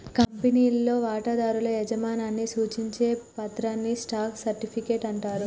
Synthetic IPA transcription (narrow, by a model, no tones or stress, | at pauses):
kɐmpeniːlːo̞ːʋaːʈɐd̪aːɾulɐɛd͡ʒɐmaːnaːnːisuːt͡ʃiɲt͡ʃe̞ːpɐt̪ɾaːnːisʈaːksɐɾʈipʰikeːʈɐɳʈaːɾu